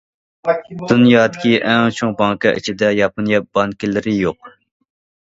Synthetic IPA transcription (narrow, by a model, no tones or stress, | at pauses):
d̪̥unjɑːd̪ɪkʲiʔɛŋt͡ʃʰoŋbɑŋkɨʔḭt͡ʃʰid̪ɛjɑponjɛp̚b̥ɑnkʲilɪɾɪjoq̚